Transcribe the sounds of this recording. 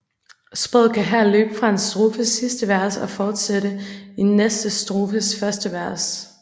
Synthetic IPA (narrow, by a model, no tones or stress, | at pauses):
sb̥ʁɔð̰ˠkʰæɦæɐ̰lø̰ːb̥əfʁɑ̈e̝nsd̥ʁoːfəsːisd̥əʋæɐ̰sɒ̽fɒːd̥seɾəenːesd̥əsd̥ʁoːfəsfɶɐsd̥əʋæɐs